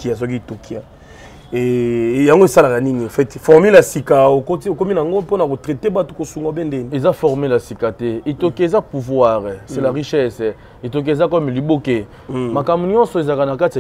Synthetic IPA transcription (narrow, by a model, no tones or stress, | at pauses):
ias̬okietokia | ejaŋɡoesalakaniniãfɛtfɔʁmilasikaokotiokominaaŋɡoponakotʁetebatokosuŋɡabɛndɛniezafɔʁmilasikatɛetokiaezapuvwaʁɛsɛlaʁiʃɛsɛ | etok̬ezakɔmiliboke | makambuɲɔ̃nsɔezakanakati